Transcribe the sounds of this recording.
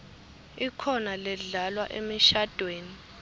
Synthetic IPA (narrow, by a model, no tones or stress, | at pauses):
ikʰɔnalɛɮalwaʔemiʃad̥ʱweːni